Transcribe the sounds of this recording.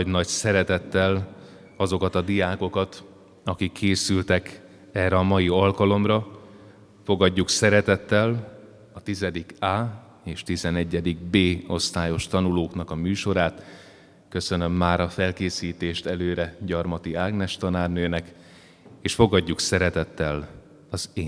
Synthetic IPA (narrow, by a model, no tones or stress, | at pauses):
ɟnɒɟsɛɾɛt̪ɛt̪ːɛl | ɒzo̞kɒt̪ɒd̪ijaːko̞kɒt̪ | ɒkikʰːeːsylt̪ɛk | ɛrːɛɒmɒjiɒlkɒlo̞mrɒ | fo̞ɡɒɟːuksɛɾɛt̪ɛt̪ːɛl | ɒt̪izɛd̪ikaː | eːʃt̪izɛnɛɟːɛd̪iɡ̚beːo̞st̪aːjo̞ʃt̪ɒnuloːknɒkɒmyːʃo̞ɾaːt̪ | køsø̞nø̞mːaːɾɒfɛlkeːsiːt̪eːʃt̪ɛløːɾɛɟɒrmɒt̪iaːɡnɛʃt̪ɒnaːrnøːnɛk | eːʃfo̞ɡɒɟːuksɛɾɛt̪ɛt̪ːɛl | ɒzeː